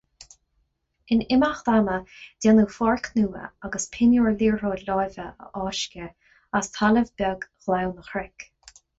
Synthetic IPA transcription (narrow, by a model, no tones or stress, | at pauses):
ɪnɪmaxt̪aməd̥ɛnufɔɹkʰnuːə̰aɡəspʰɪnoːɹliːɹɹoːlɔjvəə̰ʔɑːʃkʲə | ast̪ʰaləvbɛɡɣ̥lawnəxɾɪk